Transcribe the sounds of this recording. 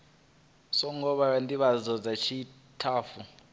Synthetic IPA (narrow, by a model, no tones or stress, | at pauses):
sɔŋɔɓaandiɓazɔd͡zat͡ʃʰi | tʰaːfu